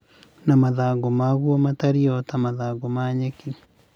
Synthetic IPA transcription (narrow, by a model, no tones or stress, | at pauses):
namaðaːɡomaɣwɔmataɾiɔtamaðaːɡomaɲeki